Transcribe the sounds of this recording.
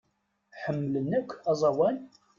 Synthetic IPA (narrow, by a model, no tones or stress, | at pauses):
ħəmːələnːækʷʰːɑzˤɑwæn